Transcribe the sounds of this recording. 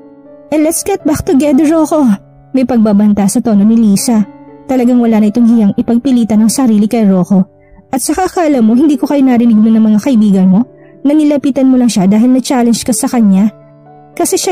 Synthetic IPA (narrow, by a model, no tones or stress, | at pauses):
ʔɛnlɛt̪sɡɛt̪̚bak̚t̪ʊɡɛd̪ɛɾoko̞ | mɐjpɐɡ̚babɐnt̪ɐsɐt̪oːnonɪliːsɐt̪ɐlɐɡaŋwɐlanɐʔɪt̪oŋhɪjaŋɪpɐɡ̚pɪliːt̪ɐnɐŋsɐɾiːlɪkɐjɾoːko̞ | ʔɐt̪̚sɐkakaʔɐlɐmoɦhɪnd̪iːko̞kɐjonɐɾɪnɪɡ̚monɐŋmɐŋakɐʔɪbiːɡɐnmo̞ | nɐnɪlɐpiːt̪ɐnmolɐŋʃad̪aːɦɪlnɐt͡ʃaːlɛnd͡ʒkɐsɐkɐɲːa | kɐsɛʃa